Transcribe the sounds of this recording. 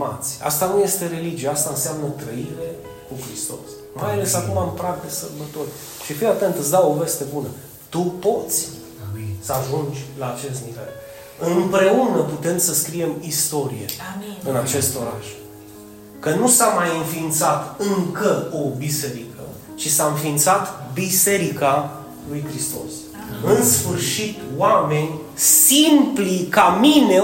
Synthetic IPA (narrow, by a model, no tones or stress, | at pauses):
ma̰t̪sʲa̰st̪anuje̞st̪e̞ɾe̞lid͡ʒieast̪aɨnseamnət̪ɾəiɾe̞ | kukɾist̪o̞̰s | majale̞sakumampɾakd̪esərbət̪o̞rʲ | ʃifinat̪e̞nt̪ɨt̪sd̪awo̞ve̞st̪e̞bunə | t̪upo̞t̪sʲ | səaʒund͡ʒʲlaːt͡ʃe̞s̬t̪nivḛl | ɨmpɾe̞unəput̪e̞msəskɾie̞mist̪o̞ɾije̞̰ɨnat͡ʃe̞st̪o̞ɾa̰ʃ | kənusamajɨnfint̪sat̪ɨŋkəo̞bise̞ɾikə | t͡ʃisaɨnfint̪sat̪bise̞ɾika | lujkɾist̪o̞̰s | ɨnsfɨrʃit̪wame̞nʲ | simplikamine̞